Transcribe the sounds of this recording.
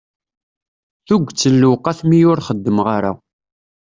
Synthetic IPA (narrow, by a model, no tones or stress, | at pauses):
θuɡʷt͡sːəlːʊqaθmijʊɾχəd̪ːəmʁaɾa̰